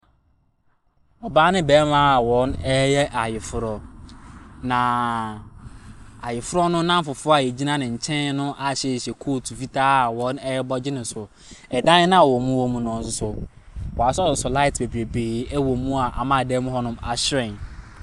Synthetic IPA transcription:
ɔ˨baː˦nɪ̃˦bɛː˨˦ma˦˨wɔ̃˨˦nɛ˦jɛ˦ʔa˨jɪ˨fʊ˦ɾɔ˨ | nã˨ | a˨jɪ˨fʊ˦ɾɔ˦nʊ̃˦nã˦m̩˦fʊ˨fʊ˦a˨jɛ˨d͡ʑi˦nã˦nɪ̃˨ɲ̩˨t͡ɕʰɛ̃˦n˦nʊ̃˦ʔa˨ɕɛ˦˨ɕɛ˨kʰo˦˨tʰu˨fi˦tʰaː˦˨wɔ̃˨˦nɛ˦jɛ˦bɔ˦d͡ʑɪ˦nɪ̃˨sʊ˨ | ɛ˨dã˦nɪ˦nã˦˨wɔ˨mũ˦wɔ˦mũ˦nɔ̃˨n˨s̬ʊ˦sʊ˨ | wɔ˨a˨ssʊ˨sʊ˨la˦ɪ˨tbe˨bi˨ɾe˨beː˨˦ɛ˦wɔ˨mũ˦a˨ʔa̰˨mã˦˨dɛ˦mʊ̃˦ɦɔ˦nʊ̃˦ma˨ɕɪ˦ɾɛ̃˨n

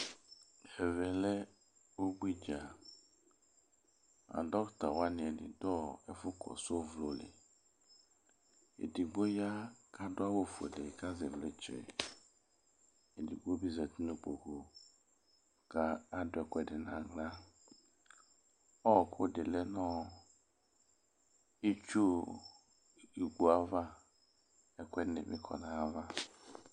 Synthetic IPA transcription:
ɛ˨vɛ˨lɛ˦ | wo˦ɡ͡bi˦d͡ʒa˨ | a̰˨dɔ˦kta˨wa˦nɪ̃˨ɛ˨dɪ̰˨dɔ˦ɛ˦fʊ˦kʰɔ̰˨so˦vlo˨lɪ̰˨ | ḛ˨di˨ɡ͡bo˦ja˦kʰa˦dʊ˦a˦wo˦˨fu˨ɛ̰˨dɛ˨kʰa˦zɛ˨vlɛ˦t͡ʃɾɛ̰˨ | e˨di˨ɡ͡bo˦bi˦zɛ˨ti˦no˨k͡po˨ko˨ | ka˨˦a˦dʊ˦ɛ˨kʷɛ˦˨dɪ˨na˨ɡla˦ | ɔ˦˨kʰʊ˦˨de˨le˦nɔ˦ | i˦t͡ʃu˦ | i˨ɡ͡bu˨a˦va˦ | ɛ˦˨kʷɛ˦nɪ̰˨mɪ̰˦kʰɔ̰˨na˨a˦va˦

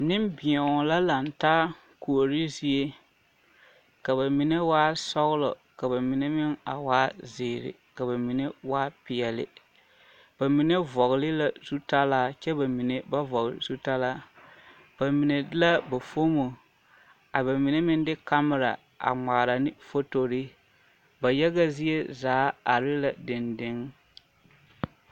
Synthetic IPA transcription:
nɪ˦mbɪ˨ɔ˨ŋ˨la˦la˨n˨taː˦ | ku˨o˨ɾɪ˦zi˦e˦ | ka˨βa˨mi˨ne˦waː˦sɔ˦ɣʊ˦lɔ˨ | ka˨ba˨mi˨ne˦mɪ˦ŋa̰˨waː˦zɪ˨ɾɪ̰˨ | ka˨βa˨mi˨ne˦waː˦pɪ˨ɛ˨lɪ̰˨ | b̥a˨mi˨ne˦vɔ˨ɣlɪ˦la˦z̥u˦ta˦laː˦t͡ʃɛ˦ba˨mi˨ne˨ba˦vɔ˨ɣ̰zu˦ta˦laː˦ | b̥a˨mi˨ne˨˦la˦ba˨fo˦mo˨ | a˨ba˨mi˨ne˦mɪ˦ndɪ˦ka˦mɪ˨ɾa̰˨ | ʔa̰˨ŋ͡ma˨ɾa˨nɪ˦fo˦to˨ɾɪ˦ | ba˨jɛ˦ɡa˦zi˦e˦zaː˨˦a˨ɾɪ˦la˨dɪ˨ndɪ˦ŋ

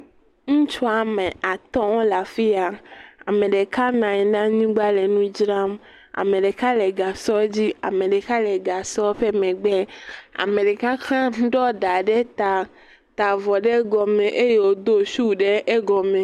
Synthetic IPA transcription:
ŋũ˦t͡ʃɔ˦a˨mẽ˨a˨t̪ɔ̃˦wɔ˦la˨fi˦a˨a̰˨mẽ˨ɖe˨ka˦nã˨ɲɛ˨nã˦ɲĩ˦ɡ͡ba˦le˨nũ˦d͡ʒɾa˦m | a̰˨mẽ˨ɖe˨ka˦lɛ˨ɡa˨sɔ˦d͡ʑi˦a̰˨mẽ˨ɖe˨ka˦lɛ˨ɡa˨sɔ˦ɸe˦mẽ˨ɡ͡bɛ˦a̰˨mẽ˨ɖe˨ka˦klã˦n˦ɖɔ˦d̪a˨ɖe˦t̪a˨ | t̪a˨vɔ˨ɖe˦ɡɔ˨mẽ˨ʔe˦je˨wo˦d̪o˦ʃu˦ɖe˦ʔe˦ɡɔ˨mẽ˨

